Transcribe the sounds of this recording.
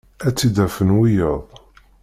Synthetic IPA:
æt͡sːid̪æfənwijəðˤ

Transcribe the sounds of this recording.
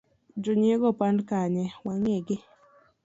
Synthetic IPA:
d͡ʒʊɲieɡɔpankaɲɛwaŋeɡɪ

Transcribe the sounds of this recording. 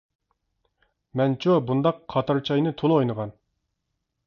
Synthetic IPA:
mɛnt͡ʃʰobund̪ɑqʰːɑt̪ʰɑɾt͡ʃʰɑjnɨt̪ʰolˠojnəʁɑn

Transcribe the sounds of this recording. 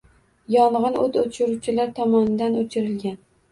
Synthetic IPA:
jɒɴʁɨnot̪ʰot͡ʃʊɾuwt͡ʃʰɪlaɾt̪ʰɒmɒnɪd̪anot͡ʃʰɪɾɪlɡʲan

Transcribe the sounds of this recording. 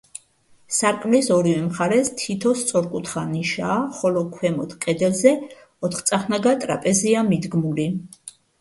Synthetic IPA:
saɾkʼmlisɔɾivɛmχaɾɛst̪ʰit̪ʰɔst̪sʼɔɾkʼut̪ʰχaniʃaːχɔlɔkʰwɛmɔt̪ʰkʼɛd̪ɛlzɛ | ɔt̪ʰχt̪sʼaχnaɡat̪ʼɾa̰pʼɛziamid̪ɡmuli

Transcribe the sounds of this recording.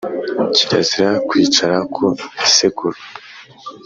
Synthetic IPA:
ciɾaziɾakwiːt͡ʃaɾakʰoiseɡuɾu

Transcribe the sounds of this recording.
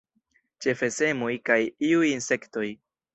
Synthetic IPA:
t͡ʃe̞fe̞se̞mojkajiujinse̞kto̞j

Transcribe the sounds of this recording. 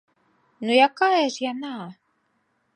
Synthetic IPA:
nujakaɛrjana

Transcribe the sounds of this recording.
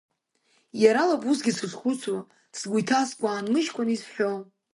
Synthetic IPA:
jaɾalabusɡʲisɨχχʷʊt͡sʰwa | sɡʷujtʰaskʷʼaːnlɨʃkʷʰʼanisħʷᶣo

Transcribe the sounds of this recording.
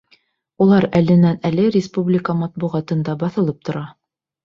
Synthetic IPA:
ulˠɑɾælɘ̆nænælɘɾʲɪspublʲɪkəmɑt̪̚buʁɑt̪ɤ̆nd̪ɑbɑθɤ̆lˠɤp̚t̪ʰŏɾɑ

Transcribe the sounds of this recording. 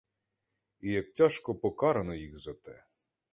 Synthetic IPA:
ijɐktʲaʃkɔpɔkɑɾɐnɔjiɣzɐt̪ɛ

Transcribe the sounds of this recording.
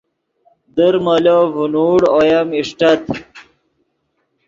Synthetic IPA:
d̪əɾməlovunuɽojɐmiʂʈɐt̪̚

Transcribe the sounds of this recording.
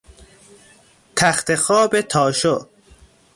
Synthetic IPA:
t̪ʰæxt̪exɒːbet̪ʰɒːʃo

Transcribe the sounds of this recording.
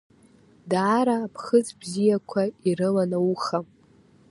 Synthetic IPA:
daːɾaːpʰχət͡sbzijakʷʰairɨlanauχa

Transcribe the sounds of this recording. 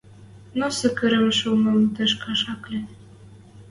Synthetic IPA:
nosɘ̆kɘ̆ɾɘ̆mʃumɤmt̪ɘ̆ʃkɑʃɑklʲe

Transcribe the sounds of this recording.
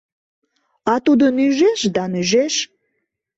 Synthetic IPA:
ɑt̪ud̪ənyʒeʃd̪ɑnyʒeʃ

